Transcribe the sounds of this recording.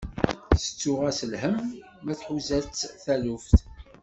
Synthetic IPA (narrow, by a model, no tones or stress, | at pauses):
sə̥t͡sːʊʁæsəlhəmː | æθħuzæt͡sːθælufθ